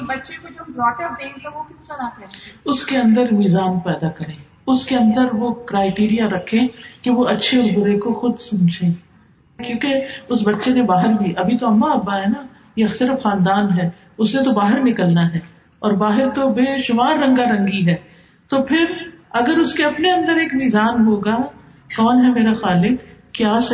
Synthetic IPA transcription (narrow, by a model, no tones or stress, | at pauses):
bɐtːʃẽkod͡ʒobɾɔːʈəpd̪eːnt̪aʋokɪst̪ɐɾakɛʊskeɐ̃nd̪əɾmizaːnpɛːd̪akɐɾẽː | ʊskeɐ̃nd̪əɾʋokɾaːɪʈiːɾijaɾɐkʰːẽkeʋoʔɐtːʃʰeɔːɾbʊɾekoxʊd̪sʊnt͡ʃẽː | kjõːkeʊsbɐtːʃenẽbaːɦɪɾbʱiʔɐbʱit̪oɐmːaɐbːaɦɛna | jeɐxt̪əɾəfxãːnd̪aːnɦɛː | ʊsnẽt̪obaːɦɪɾnɪkəlnaɦɛː | ɔːɾbaːɦɪɾt̪obeːʃʊmaːɾːɐ̃ŋɡaɾɐ̃ŋɡiɦɛː | t̪opʰɪɾɐɡəɾʊskeɐpneɐ̃nd̪əɾeːkmiːzaːnɦoːɡa | kɔːnɦɛmeːɾaxaːlɪkːjaːs